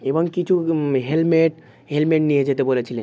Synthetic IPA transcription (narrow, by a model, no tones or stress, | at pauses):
eboŋkit͡ɕʰuɦelmeʈ | ɦelmeʈnied͡ʑet̪ebolet͡ɕʰilen